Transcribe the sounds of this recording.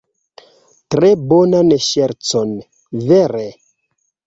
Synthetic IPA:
tɾebonaneʃeɾt͡son | veɾe

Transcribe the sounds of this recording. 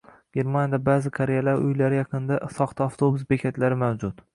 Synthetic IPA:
ɡ̥ʲe̞ɾmanjad̪abazɪkʰaɾejalaɾʊjlaɾɪjɑqʰɨnd̪asɒχt̪ʰaaft̪ʰobʊsbekʲʰat̪laɾɪmawd͡ʒʊt̪

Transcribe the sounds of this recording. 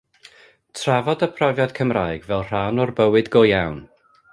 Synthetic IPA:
tʰravɔdəpʰrɔvjad̥kʰəmrajɡvɛlˠr̥anɔrbəwɨdɡojawn

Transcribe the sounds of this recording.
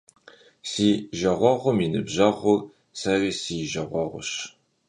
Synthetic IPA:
siːʒɐʁʷɔʁʷʊminɨbʑɐʁʷʊ | sɐriːsiːʒɐʁʷɔʁʷʊ̰ɕ

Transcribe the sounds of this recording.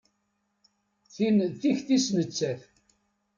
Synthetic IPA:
θinθiçθisnət͡sːæθ

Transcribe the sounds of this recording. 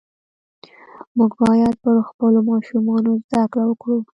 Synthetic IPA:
muɡ̚bɑjad̪̚pəɾxpəlomɑʃumɑnozd̪akɽawəkɽu

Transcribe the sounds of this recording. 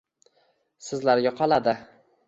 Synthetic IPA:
sɪzlaɾɡʲaqʰɒlˠad̪ɪ

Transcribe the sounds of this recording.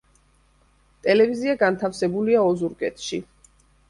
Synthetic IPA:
t̪ʼɛlɛviziaɡant̪ʰafsɛbuliaɔzuɾkʼɛt̪ʰʃi

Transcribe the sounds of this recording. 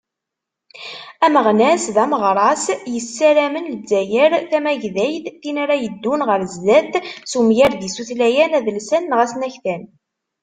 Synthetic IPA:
æməʁnæsðæməʁɾˤɑsjəsːæɾæmənləd͡zːæjəɾθæmæʝðæjθθinaɾæjəd̪ːunʁəɾzdæθsumjæɾðisuθlæjænæðəlsænːʁæsnæçθæn

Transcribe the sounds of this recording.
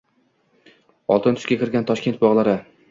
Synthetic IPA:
ɒ̰lˠt̪ɪnt̪ʰʊʃkʲakʲʰɪɾɡʲant̪ʰɒʃkʲe̞nt̪̚bɒʁlˠaɾɪ

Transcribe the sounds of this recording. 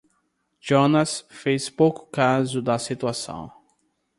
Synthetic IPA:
d͡ʒonɐsfespowkʊ̥kazʊd̪ɐsit̪uasɐ̰̃w̃

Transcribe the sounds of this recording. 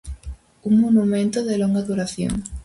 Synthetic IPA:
uŋmonumẽnt̪oðeloŋɡaðuɾaθjo̰ŋ

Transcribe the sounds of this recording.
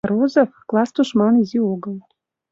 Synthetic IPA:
ɾozofklˠɑst̪uʃmɑnizʲioɣəlˠ

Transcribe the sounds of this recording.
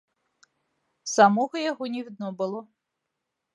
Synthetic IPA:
samɔɣɔjɐɦɔnʲiwd̪nɔbɨlˠɔ

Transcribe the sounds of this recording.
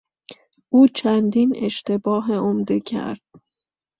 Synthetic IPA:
ʔuːt͡ʃʰænd̪inḛʃt̪e̞bɒːɦeomd̪ecʰæ̰ɾd̪̥̚

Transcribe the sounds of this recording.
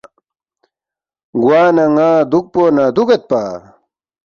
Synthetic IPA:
ɡwaːnɐŋaːd̪uk̚poːnad̪uɡɐt̪̚pa

